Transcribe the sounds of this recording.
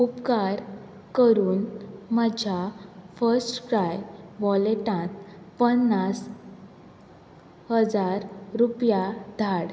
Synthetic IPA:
upkaɾ | kəɾuːnmad͡ʑʱjafəɾsʈkɾajʋɔleʈãt̪ | pənːas | həd͡zaɾɾupjad̪ʱaɽ

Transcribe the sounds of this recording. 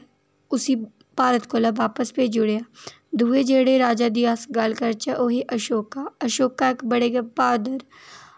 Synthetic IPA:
ʊsi | paːɾət̪kolɐbaːpəsped͡ʒʊɽejaː | d̪ʱuːed͡ʒeːɽeɾaːd͡ʒaːd̪ɪjaːsɡalkəɾt͡ʃaʔoɦiʔɐʃoːkaɐʃoːkaekbɐɽeɡepaːd̪əɾ

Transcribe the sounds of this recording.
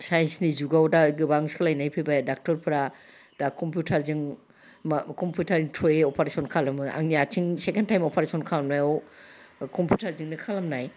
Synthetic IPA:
sajensnizuɡawdaɡɯbaŋskʰɯlajnajpʰɯbadak̚tɔɾpʰɯɾa | d̥akɔmpʰjutʰaɾzɯŋ | kɔmpʰjutʰaɾiŋtʰɔjeɔpʰaɾesɔnkʰalɯmɯa̰ŋniatʰiŋsekentʰajmɔpʰaɾesɔnkʰalamnajɔw | kɔmpʰjutʰaɾzɯŋnɯkʰalamnaj

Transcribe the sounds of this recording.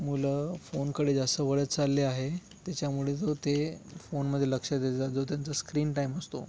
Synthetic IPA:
muləfonkəɽed͡zəsəʋəɭət͡st͡salːeaɦet̪jat͡ɕamuɭed͡zot̪efonməd̪ʱːjeləkʂəd̪ʱed͡zad͡zot̪̬jant͡səskɾiːnʈaiməst̪o̰

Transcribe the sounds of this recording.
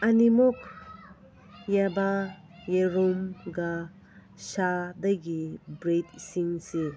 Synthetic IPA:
animuk | jaba | jeɾumɡa | ʃadajɡibɾet̚siŋsi

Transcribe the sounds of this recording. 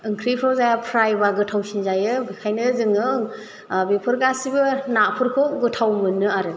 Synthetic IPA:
ɯŋkʰɾipʰɾɔwzajapʰɾajbaɡɯtʰawsinzajɯbikʰajnɯzɯŋɯ | bepʰɯɾɡasibɯnapʰɯɾkʰoɡɯtʰawmɯnɯaɾɯ

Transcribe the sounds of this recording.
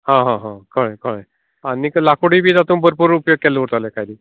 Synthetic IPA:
ɦãɦãɦãkʰəɭẽkʰəɽẽ | aniklakuɽiːbʱiːd̪at̪ũːnbəɾpuɾupjoɡ̚kɛleʋət̪alekajd̪iː

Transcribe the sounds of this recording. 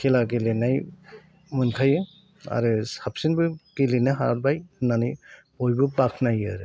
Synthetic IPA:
kʰelaɡelenaj | mɯnkʰajɯ | a̰ɾɯsap̚sinbɯɡ̥elenɯɦaɾbajɯnanɯj | bojbɯbakʰnajɯɾɯ

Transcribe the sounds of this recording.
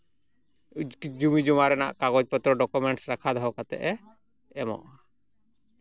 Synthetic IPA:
d͡ʒumid͡ʒumaɾɛna̰ʔkaɡɔd͡ʒpɔt̪ɾɔɖɔkumɛɳʈsɾakʰad̪ɔɦɔkat̪ɛ̰ʔɛ | ɛmɔ̰ʔ

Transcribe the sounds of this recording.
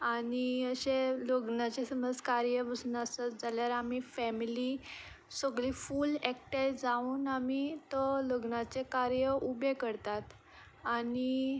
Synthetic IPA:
aniəɕeloɡnat͡ɕesəməd͡zkaɾjəbəsnasat̪d͡zaljaɾamifɛmili | soɡɭiːfuːlɛk̚ʈəjd͡zauːnamit̪ɔloɡnat͡sekaɾjəʔubekəɾt̪at̪ | ani

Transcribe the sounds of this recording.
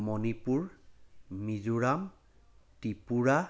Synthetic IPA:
mɔnipuɹ | mizuɹam | tipuɹa

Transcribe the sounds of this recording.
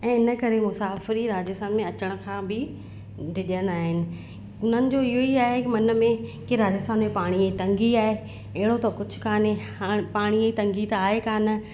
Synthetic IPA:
ɛ̃ːɪnə̆kɐɾemʊsaːfɪɾiɾaːd͡ʑəst̪aːnmẽɐt͡ɕəɽ̃ʊ̆kʰãːbɪ | ɖɪɗijənaːɦɪnɪ̆ | ʊn̤ənɪ̆d͡ʑoːɪɦoiaːɦekɪmɐnə̆mẽkɪɾaːd͡ʑɪst̪aːnmẽpaːɽ̃iet̪ɐ̃ŋɡiaːɦe | ɐɦɪɽot̪ɐkʊd͡ʑʱʊ̥̆kʰaːne | paːɽ̃iet̪ɐ̃ŋɡit̪aːɦekaːnə̆

